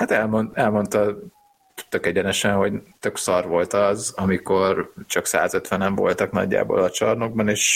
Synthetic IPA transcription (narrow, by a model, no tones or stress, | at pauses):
hat̪ɛlmonɛlmo̞nt̪ɒ | t̪økɛɟɛnɛʃɛnho̞ɟt̪ø̞ksɒrʋo̞lt̪ɒzɒmiko̞rt͡ʃɒksa̰ːzøt̪ʋɛnɛɱvo̞̰lt̪ɒknɒ̰ɟːa̰ːbo̰lɒt͡ʃɒrnoɡ̚bɒneːʃ